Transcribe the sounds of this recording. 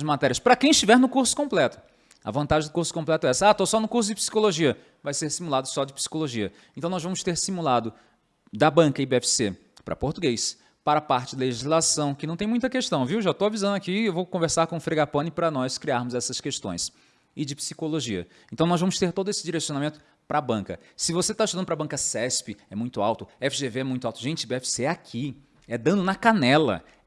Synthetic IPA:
ʒmat̪ɛɾiɐspɾɐkẽj̃ɪʃt͡ʃivɛɾnʊkuɾsʊ̥kõmplɛt̪ʊ̥ | ɐ̰vɐ̃nt̪aʒẽd̪ʊkuɾsʊ̥kõplɛt̪ʊɛɛsɐat̪osɔnʊkuɾs̬ʊd͡ʒɪpi̥si̥koloʒiɐ | vajseɾsimulad̪ʊsɔd͡ʒɪpi̥si̥koloʒiɐ | ẽt̪ɐ̃w̃nɔzvɐ̃mʊst̪eɾsimulad̪ʊ | d̪ɐbɐ̃kɐibeɛfi̥sḛ | pɾɐ̰poɾt̪uɡejs | paɾɐpaɾt͡ʃɪd̪ɐleʒizlasɐ̃w̃kɪnɐ̃t̪ẽj̃mũj̃t̪ɐkeʃt̪ɐ̃w̃viwʒat̪owavizɐ̃ndʊakiewvowkõveɾsaɾkõfɾeɡapɐ̃nɪpɾɐnɔskɾiaɾmʊzɛsɐskeʃt̪õj̃s | ɪd͡ʒɪpsi̥koloʒiɐ̰ | ẽt̪ɐ̃w̃nɔzvɐ̃mʊst̪eɾt̪od̪ʊesɪd͡ʒiɾesionamẽnt̪ʊ̥ | pɾɐbɐ̃ŋkɐ | sɪvoset̪aɪʃt̪ud̪ɐ̃d̪ʊpɾɐbɐ̃kɐsɛspɪɛmũj̃t̪ʊawt̪ʊɛfiʒeveɛmũj̃t̪ʊawt̪ʊʒẽnt͡ʃɪbeɛfi̥seɛakʰi | ɛd̪ɐ̃d̪ʊnɐkanɛlɐ̰

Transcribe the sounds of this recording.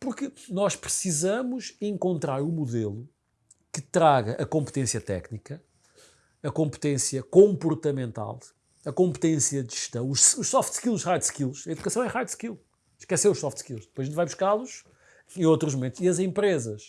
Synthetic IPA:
puɾkɨnɔʃpɾɨsizɐmuʃẽŋkõnt̪ɾaɾumuðelˠu | kɨt̪ɾaɣɐʔɐkõmpt̪ẽsjɐt̪ɛ̰knikɐː | kõmpɨ̥t̪ẽsjɐkõmpuɾt̪ɐmẽnt̪a̰lˠ | ɐkõmpt̪ẽsjɐd̪ʒɨʃt̪ɐ̃w̃uʃuʃsɔft̪ʃkilˠʃʁajd̪ʃkilˠʃɐiðukɐsɐ̃w̃ɛʁajd̪ʃkilˠ | ʃkɛseɾuʃsɔft̪ʃkilˠʃd̪ɨpojzẽt̪vajbuʃkalˠuʃ | ẽj̃ot̪ɾuʒmumẽnt̪uʃiɐzẽmpɾezɐʃ

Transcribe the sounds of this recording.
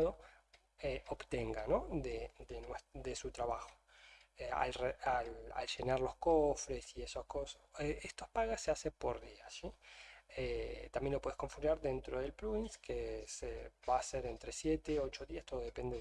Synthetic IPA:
ðo | eoβt̪eŋɡano̞ðed̪enwed̪esut̪ɾaβaxo̥ | ea̰lreala̰lʃe̞naɾlo̞skofɾesiesoskosoeest̪ospaɣasːeasepo̞ɾðiasiet̪ambje̞nlopwe̞ekoɱfunaɾðe̞nt̪ɾoð̞e̞lpluinskeseβaːseɾent̪ɾesjet̪eo̞t͡ʃo̞ðiast̪o̞ðoðe̞pe̞nd̪e

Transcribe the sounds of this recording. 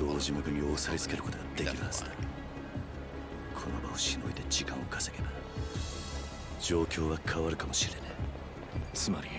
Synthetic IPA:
d̥̪oːʑimakɯ̟ɲʲioːsait͡sɨ̥ke̞ɾɯko̞t̪o̞ɡad̪e̞kʲiɾɯ̟hãzɨd̪a | kʰo̞no̞baoɕino̞it̪e̞d͡ʑikãɰ̃okʰḁse̞ɡe̞na | d͡ʑo̞ːkʲo̞ːβakʰaβaɾɯ̟kamo̞ɕiɾe̞ne | t͡sɨmaɾʲi

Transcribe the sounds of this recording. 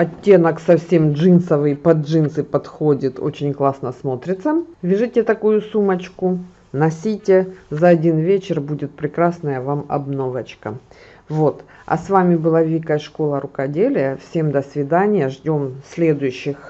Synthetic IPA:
ɐtʲːe̞nəksɐfsʲe̞mʐɨnsəvɨjpɐd͡ʐʐɨnsɨpɐt̪xo̞dʲɪt̪o̞̰t͡ɕɪnʲklˠasnəsmo̞t̪ɾʲɪt̪səvʲɪʐɨtʲɪt̪ɐkujʊsumɐt͡ɕkʊ | nɐsʲitʲezɐɐdʲinvʲet͡ɕɪrbudʲɪt̪̚pɾʲɪkɾasnəjəvamɐ̰bno̞vɐt͡ɕkə | vo̞t̪ | ɐ̰svamʲɪbɨlˠavʲikɐjʂko̞lˠəɾʊkɐdʲelʲɪjəfsʲe̞md̪əsvʲɪd̪anʲɪjəʐdʲo̞msʲlʲe̞d̪ʊjʉɕːɪx

